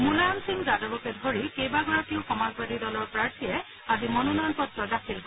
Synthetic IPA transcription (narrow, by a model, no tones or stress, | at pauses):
mulajamsiŋzadɔbɔkɛdʱoɹikejbaɡɔɹatiʊxɔmazbadidɔlɔɹpɹaɹtʰijɛ | azimɔnɔnɔjɔnpɔtɹɔdakʰilk